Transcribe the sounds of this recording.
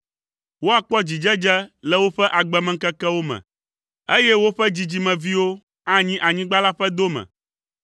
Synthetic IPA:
wo˦a˨k͡pɔ˦d͡ʑi˨d͡ʒɛ˦d͡ʒɛ˦lɛ˦wo˦ɸɛ˦ʔa˨ɡ͡bɛ˨mɛ̃˨ŋ̩˦kɛ˦kɛ˦wo˦mɛ̰̃˨ | e˦jɛ˦wo˦ɸɛ˦d͡ʑi˨d͡ʑi˨mɛ̃˨vi˦wo˦ | ã˦ɲĩ˦ʔa˨ɲĩ˦ɡ͡ba˦la˦ɸɛ˦d̪o˦mɛ̰̃˨

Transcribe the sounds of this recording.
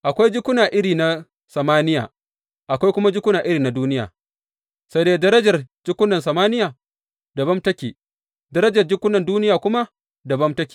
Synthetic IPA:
ʔa˨kʷa˦jd͡ʒɪ˦kʷʊ˦naː˨ʔɪ˦ɽiː˨na˦ | sɐ˨maː˦nɪ˦ja̰ː˨ | ʔa˨kʷa˦jkʷʊ˦ma˦d͡ʒɪ˦kʷʊ˦naː˨ʔɪ˦ɾiː˨na˨duː˦nɪ˦ja̰ː˨ | sɐ˦deː˦dɐ˦ɾɐ˦d͡ʒɐ˨rd͡ʒɪ˦kʷːʊ˦nɐ˨nsɐ˨maː˦nɪ˦jaː˨ | dɐ˨bɐ˦mtɐ˦kʲiː˨ | dɐ˦ɾɐ˦d͡ʒɐ˨rd͡ʒɪ˦kʷʊ˦nɐ˨nduː˦nɪ˦jaː˨kʷʊ˦ma˦ | dɐ˨bɐ˦mtɐ˦kʲi̥ː˨

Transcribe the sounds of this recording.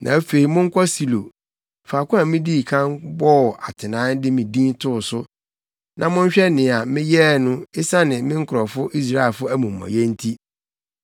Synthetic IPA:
nʔã˨æ˦fe˨i˨mʊ̃˦ŋ̩˦kʷʰɔ˦si˨lo˨ | faː˨kʰʷʊ̃˦a˨mɪ̃˦di˦˨kʰã˦nbɔ˦˨a˨tʰɪ˨nãː˦dɪ˦mĩ˨dĩ˦ntʰʊ˦˨sʊ˦ | nʔã˨mʊ̃˦ɲ̩˦ɕᶣɛ˦nɪ̃˨a˨mɪ̃˦jɛ˦˨nʊ̃˦ɪ˦sa˦nɪ̃˨mɪ̃˦ŋ̩˦kʰʊ˨ɾɔ˨fʊ˦ʔi˦s̬ɾa˦ɛ˨lfʊ˦æ˦mũ˨m̩ː˨ɔ̰̃˨jɛ˦n̩˦tʰi˦

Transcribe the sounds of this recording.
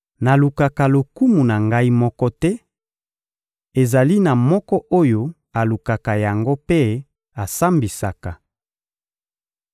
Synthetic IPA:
na˨lu˨ka˨ka˨lo˨ku˦mu˨na˨ŋɡa˦i˦mɔ˦kɔ˦tɛ˦ | e˨za˨li˦na˨mɔ˦kɔ˦ʔo˦jo˦ | a˨lu˨ka˨ka˨ja˨ŋɡo˦pe˦ | a˨sa˦mbi˨sa˨ka˨

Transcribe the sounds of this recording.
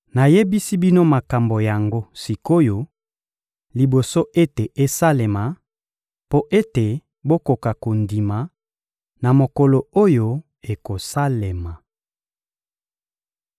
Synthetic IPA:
na˨je˦bi˦si˦bi˦no˦ma˨ka˨mbo˨ja˨ŋɡo˦si˨ko˦jo˨ | li˨bo˨so˦ʔe˦te˨ʔe˦sa˦le˨ma˨ | po˦ʔe˦te˨ | bo˦ko˨ka˨ko˨ndi˨ma˨ | na˨mo˨ko˨lo˨o˦jo˦ | e˨ko˨sa˦le˨ma˨

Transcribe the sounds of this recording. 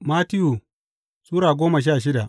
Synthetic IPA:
maː˦tɪ˦ju˨ | suː˦ɾaː˨ɡʷoː˦ma˨ʃ̬aː˦˨ʃ̬ɪ˦da˨ʔ

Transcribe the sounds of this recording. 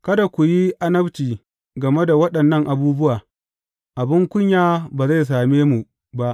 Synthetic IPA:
kɐ˦da˨kʷu˨ji˦ʔa˦nɐ˦bt͡ʃiː˨ | ɡɐ˨me˦da˨wɐ˦ɗɐ˨nːɐ˦ŋʔa˨buː˦bʊ˦waː˨ | ʔa˨bɪ˦ŋkʷʊ˦ɲjaː˦baː˨za˦˨js̬aː˨meː˦mu˨ | ba˦ʔ

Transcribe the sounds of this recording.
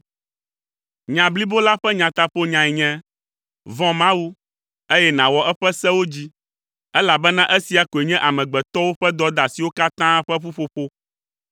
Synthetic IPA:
ɲã˨bli˦bo˦la˦ɸɛ˦ɲã˨t̪a˦ɸo˦ɲã˨ɛ˨ɲɛ̃˦ | vɔ̃˦mã˦wu˦ | e˦jɛ˦nã˨wɔ˨ʔɛ˦ɸɛ˦sɛ˦wo˦d͡ʑi˦ | ɛ˦la˨bɛ˦nã˦ʔɛ˦si˨a˨ko˨e˨ɲɛ̃˦ʔa˨mɛ̃˨ɡ͡bɛ˨t̪ɔ˦wo˦ɸɛ˦d̪ɔ˦d̪a˨si˨wo˦ka˦t̪ã˦ɸɛ˦ɸu˦ɸo˨˦ɸo˦

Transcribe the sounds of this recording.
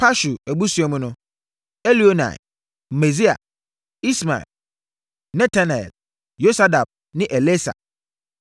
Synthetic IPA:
pʰa˦ʃu˨æ˨bu˦su˨˦ɛ˨mʊ̃˦nʊ̃˦ | e˦li˨o˦na̰˨ | me˨zi˦a̰˨ | i˦sma̰˨ɛ̰˨l | nɛ̃˦tʰa˦nɛ˨ɛ̰˨l | jo˦sa˦da˨b̚ | nɪ̃˦ʔɛ˨le˦sa̰˨

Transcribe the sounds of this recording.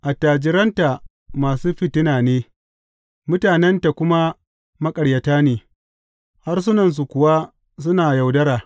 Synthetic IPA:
ʔa˨taː˨d͡ʒɪ˨ɾɐ˦nta˨ | maː˨suː˦ɸɪ˦tɪ˦naː˨neː˦ | mʊ˦taː˨nɛ˦nta˨kʷʊ˦ma˦ | mɐ˦kʼɐ˨ɽjɐ˨taː˦neː˨ | ha˦rs̬ʊ˦nɐ˨ns̬u˨kʷʊ˨wa˦ | s̬ʊ˦naː˨ja˨wdɐ˦ɾaː˨

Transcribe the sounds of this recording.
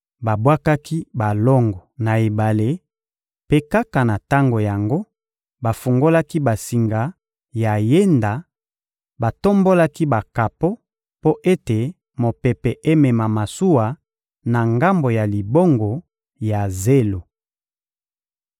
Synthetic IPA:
ba˨bwa˦ka˦ki˦ba˨lɔ˦ŋɡɔ˨na˨e˨ba˨le˦ | pe˦ka˦ka˨na˨ta˦ŋɡo˨ja˨ŋɡo˦ | ba˨fu˨ŋɡo˦la˦ki˦ba˨si˨ŋɡa˨ | ja˨je˦nda˨ | ba˨to˦mbo˦la˦ki˦ba˨ka˨po˦ | po˦ʔe˦te˨ | mo˨pe˨pɛ˨ʔe˦mɛ˨ma˨ma˨su˦wa˨ | na˨ŋɡa˦mbo˨ja˨li˨bo˦ŋɡo˨ | ja˨ze˦lo˨

